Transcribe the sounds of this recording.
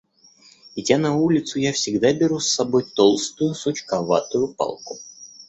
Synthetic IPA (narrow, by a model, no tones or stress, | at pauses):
ɪtʲanɐulʲɪt̪sʊjafsʲɪɡd̪abʲɪɾusːɐbo̞jt̪olˠst̪ʊjʊsot͡ɕkɐva̰t̪ʊjʊpɑ̰lˠkʊ